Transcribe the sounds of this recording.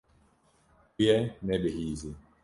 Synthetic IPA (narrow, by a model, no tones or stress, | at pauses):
kjɛnɛɓehizi